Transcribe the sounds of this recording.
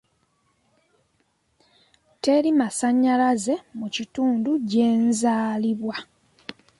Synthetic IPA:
te̞ɾimasaɲːalaze̞mucituːnduɟe̞ːnzaːliβwa

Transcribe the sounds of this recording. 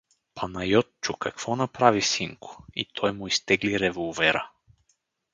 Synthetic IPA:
pɐnɐjɔt̪t͡ʃʊkakv̥ɔnapɾavisiŋkʰʊ̥ḭt̪ʰɔjmʊist̪ɛɡliɾɛvɔlˠvɛɾə̰

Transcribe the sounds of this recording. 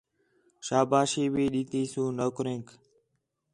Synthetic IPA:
ʃaːbaːʃiːʋiːɗiːt̪iːsũːnoːkɾẽːk

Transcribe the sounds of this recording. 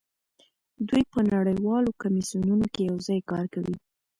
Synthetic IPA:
d̪ujpənaɽəjwɑlokamisijununokejawzɑjkɑɾkawi

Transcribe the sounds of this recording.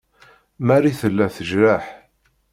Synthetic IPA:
mæɾiθəlːæθəʒɾaħ

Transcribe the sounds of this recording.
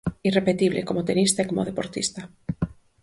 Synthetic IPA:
irepet̪iβlḛkomot̪enist̪aekomo̰ð̞epoɾt̪ḭst̪a

